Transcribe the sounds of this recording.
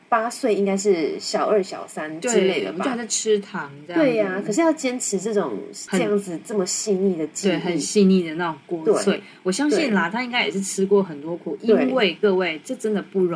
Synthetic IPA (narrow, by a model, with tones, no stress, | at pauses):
pa˥swe˥˩ɪi˥ŋka˥ɪʂ̬ɻ̩˥˩ɕjɑ˨˩ʊə˞˥˩ɕjɑ̰˨˩ʊsa˦nt̪we˥˩ne˥˩ɪd̪ə̰˨u˧˥˧a˥˩ɪʈ͡ʂʰɻ̩˥t̪ʰɑ˧˥ŋʈ͡ʂə˥˧jwe˥˩ɪa˩kʰɤ˨˩ʂɻ̩˥˧jɑ˥˩ʊt͡ɕjɛ˥nʈ͡ʂʰɻ̩˧˥ʈ͡ʂɤ˥˩ʈ͡ʂʊ˨˩ŋəɤ˨˩˧jɑ˥˩ŋd͡zɹ̩˩t͡sɤ˥˩mə˩ɕi˥˧ni˥˩d̪ə˩t͡ɕiwe˥˩xə˨˩˥ɕi˥˧ni˥˩d̪ə˩na˥˩ʈ͡ʂʊ˨˩ŋkwɔ˥˧we˥˩swe˥˩ | wɔ˨˩ɕjɑ˥ŋɕi˥˩nla˨˩t̪ʰa˥i˥ŋka˥jɛ˨˩ʂɻ̩˥˩ʈ͡ʂʰɻ̩˥kwɔ˥˩xə˨˩nt̪wɔ˥kʰu˨˩ʔi˧e˥˩we˥˧ɪkɤ˥˧we˥˩ɪʈ͡ʂɤ˥˩ʈ͡ʂə˥nd̪ə˨pu˥˩ɻŋ